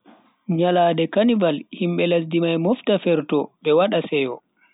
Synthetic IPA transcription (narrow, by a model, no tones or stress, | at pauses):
ɲalaːdɛkanivalhimɓɛlas̬dimajmɔftafɛɾtɔɓɛwaɗasɛjɔ